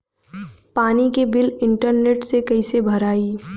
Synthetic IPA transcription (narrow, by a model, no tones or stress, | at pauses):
paːnikebɪlɪ̃ɳʈəɾneːʈsekɐɪsebʱɐɾaːiː